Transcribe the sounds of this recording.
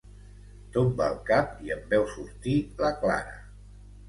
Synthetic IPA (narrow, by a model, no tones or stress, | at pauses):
t̪umbəlˠkap̚iəmbɛwsuɾt̪iləkla̰ɾə̰